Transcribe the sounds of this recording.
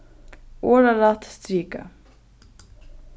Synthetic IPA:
oːɾalat̪st̪ɾiːka̰

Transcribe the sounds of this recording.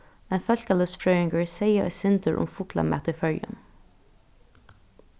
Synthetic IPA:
mɛnfœlkɑlœsfɹœʏɪŋɡəɹseɪəʔɛ̰sɪnd̪əɹʔʊ̰mfʊklɑ̰mæ̰t̪əfœljə̰n

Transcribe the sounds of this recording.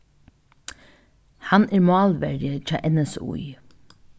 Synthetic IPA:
hɑnæːɹmɑːlʋæɹɪət͡ʃɑ̰ːʔɛnɛsṵi

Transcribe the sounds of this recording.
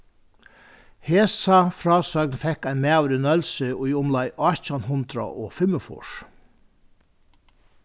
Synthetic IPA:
heːsɑfɾɑːsœɡnfɛkæɪnmeɑʉɾɪnœlsəɔiʊmlɑɪʔɑtɑnɦʊnd̪ɾa̰ʔoːfɪməfʊ̰ʂ

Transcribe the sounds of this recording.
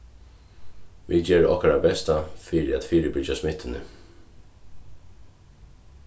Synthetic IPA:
ʋḭd͡ʒɛːɹɔ̰hkaɾabɛst̪afiɾɪæ̰t̪fiːɾəbɪd͡ʒasmɪt̪ːɪnə̰

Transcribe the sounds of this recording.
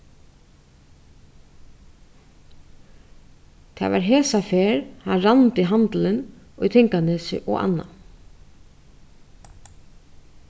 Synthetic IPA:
t̪ʰɛ̰ːva̰ɾɦeːsafeːɾhanɾant̪ɪɦant̪lɪn | ɔjt̪ʰɪŋkanɪsɪ̰ʔɔ̰a̰nːa̰

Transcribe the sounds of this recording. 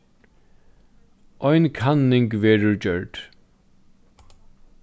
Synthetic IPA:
ʔɔjnkʰanːɪŋkʋɛːɹʊɹd͡ʒœɹd̥

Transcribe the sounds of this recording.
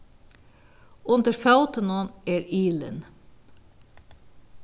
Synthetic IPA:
ʊnd̪əɾfɑʉt̪ənəneːɾiːlə̰n

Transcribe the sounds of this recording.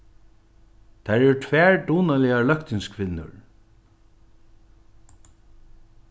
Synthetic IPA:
t̪ʰæːɹɛɹʈʰvæːɹɖ̪uːnalɪalœkt̪ɪŋskʰvɪnːʊ̰ɹ

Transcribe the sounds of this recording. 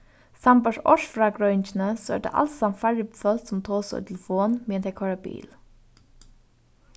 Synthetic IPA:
sambaʂɔ̰ʃfɾaːɡɾœʏnt͡ʃɪnəsɔɛ̰ɖ̪ḛːʔa̰lsamfæɹɪbəfœlt̪sʊmt̪ʰoːsɔ̰t̪ʰɪlfoːnment̪ʰɛkʰɔɹabḭːl

